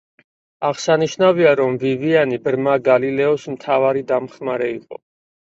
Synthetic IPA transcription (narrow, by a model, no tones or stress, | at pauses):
aʁsaniʃnaviaɾɔmvivianibɾmaɡalilɛɔsmt̪ʰavaɾid̪amχmaɾɛiqʼɔ̰